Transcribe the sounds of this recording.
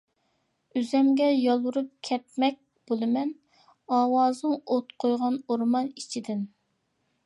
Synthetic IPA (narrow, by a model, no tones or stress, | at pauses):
yzɛmɡʲɛjɑlˠwuɾup̚kʲʰɛt̪̚mɛk̚ʲ | b̥olˠɨmɛn | ɑːwɑːzɨŋot̪qʰojʁɑnoɾmɑnit͡ʃʰid̪ɪn